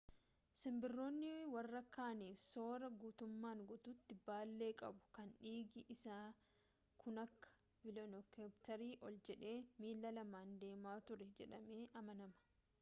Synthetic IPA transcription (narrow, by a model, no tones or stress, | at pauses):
sɪmbɪrːo̞ːnːɪwɐrːɐkːaːniːfso̞ːɾɐɡuːt̪ʊmːaːŋɡɔt̪ʊt̪ːɪbaːlːe̞ːkʼɐ̰bʊ̥kɐnᶑiːɡɪʔɪsaː | kʰʊnɐkːɐ̥ | bɪlɔnɔkept̪ɐɾiːʔɔld͡ʒɛᶑe̞ːmiːlːɐlɐmaːnd̪e̞ːmaːt̪ʊɾɛd͡ʒɛᶑɐme̞ːʔɐmɐnɐmɐ̥